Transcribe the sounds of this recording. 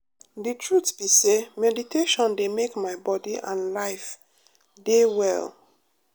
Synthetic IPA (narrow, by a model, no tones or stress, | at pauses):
ditʰɹutbisemɛditʰeʃɔ̃ndemekmaɪbɔdiʔã̰nlaɪf | dewɛ̰l